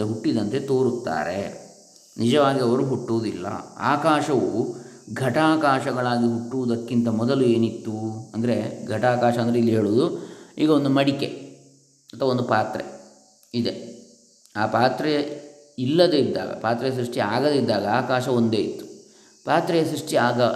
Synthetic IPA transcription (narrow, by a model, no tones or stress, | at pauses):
ɦuʈːid̪ɐnt̪e̞t̪o̞ːɾut̪ːa̰ːɾe̞̰ | nid͡ʒɐʋaːɡiɐʋɐɾuɦuʈːuːd̪ilːɐ̰a̰ːkaːʃɐʋuɡʱɐʈaːkaːʃɐɡɐɭaːɡiɦuʈːuʋud̪ɐkːint̪ɐmɔd̪ɐlue̞ːnit̪ːuɐnd̪ɐɾe̞ɡʱɐʈaːkaːʃɐɐnd̪ɐɾeilːiɦe̞ːɭuːd̪uiːɡɐond̪umɐɽike | ɐt̪ʰːʋɐo̞nd̪upaːt̪ɾḛ | id̪e̞ | aːpaːt̪ɾe | ilːɐd̪eid̪ːa̰ːɡɐ̰paːt̪ɾɛjɐs̬ɾuʂʈia̰ːɡɐd̪eid̪ːaːɡɐaːkaːʃɐo̞nd̪eːit̪ːu̥ | paːt̪ɾɛjɐsɾuʂʈiaːɡɐ